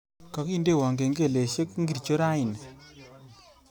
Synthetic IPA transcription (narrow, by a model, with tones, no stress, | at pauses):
kɔ˨ki˦˨nde˦˨wa˨ŋɡe˨ŋɡe˦˨le˨ʃe˦kŋɡi˨ɾt͡ʃo˦ɾa˦ɪ˨n